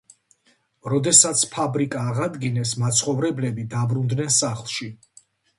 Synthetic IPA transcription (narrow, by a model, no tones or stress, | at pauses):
ɾɔd̪ɛsat̪sʰpʰabɾikʼaːʁad̪ɡinɛsmat̪sʰχɔvɾɛblɛbid̪abɾund̪nɛnsaχlˠʃi